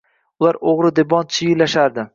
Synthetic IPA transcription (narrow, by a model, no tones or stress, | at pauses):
ʊlaɾoʁɾɪd̪ebɒnt͡ʃʰɪjɪlaʃaɾd̪ɪ